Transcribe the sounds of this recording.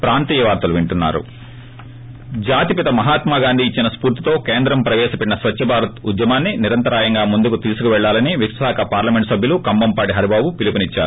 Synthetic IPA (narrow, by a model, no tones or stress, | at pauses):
pɾaːnt̪iːjɐʋaːɾt̪ɐluʋiɳʈunːa̰ːɾṵ | d͡ʒaːt̪ipit̪ɐmɐɦaːt̪maːɡaːnd̪ʱiːt͡ʃːinɐspuːɾt̪i̥t̪o̞ːkeːnd̪ɾɐmpɾɐʋɛːʃɐpeʈinɐsʋɐt̪ːʃɐbʱaːɾɐt̪ud̪jɐmaːnːiniɾɐnt̪ɐɾaːjɐŋɡaːmund̪ukut̪iːsukuʋɛɭːaːlɐniʋiksaːkɐpaːɾlɐmeɳʈsɐbʱjɐlukɐmbɐmpaːɽiɦɐɾibaːbupilipunit͡ʃːa̰ːɾu